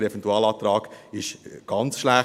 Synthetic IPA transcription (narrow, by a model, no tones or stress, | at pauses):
ɾɛvɛnt̪uɑːlɑːt̪ɾɑːɡɪʃɡ̥ɑnt͡sʃlæ